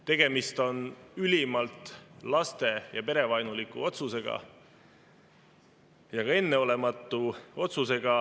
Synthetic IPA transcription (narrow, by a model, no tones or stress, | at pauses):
t̪e̞ɡ̥e̞mist̪o̞nylʲimɑlt̪ˑlɑst̪e̞jɑpe̞ɾe̞vɑjnulikːṵo̞t̪suse̞ɡ̥ɑ̰ | jɑɡ̥ɑe̞nːe̞o̞le̞mɑt̪ːˑuo̞t̪suse̞ɡ̥ɑ